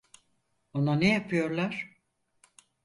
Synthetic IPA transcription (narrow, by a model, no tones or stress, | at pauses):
o̞nanejapʰɯjo̞ɾlˠaɾ̥